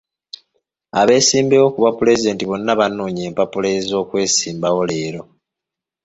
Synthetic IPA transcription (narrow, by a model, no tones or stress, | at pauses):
a̰βe̞ːsiːmbeo̞kuβapule̞zide̞ːntiβo̞nːaβanːuːɲe̞ːmpapulezo̞ːkwe̞ːsiːmbawo̞le̞ːɾo̞